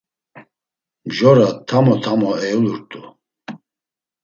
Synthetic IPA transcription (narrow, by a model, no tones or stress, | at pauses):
mʒɔɾat̪ʰːamɔt̪ʰamɔɛjuluɾt̪ʼu